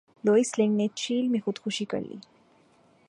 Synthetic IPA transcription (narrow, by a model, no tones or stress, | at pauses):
loːislẽŋɡnet͡ʃiːlmexʊd̪xʊʃikə̰ɾlḭː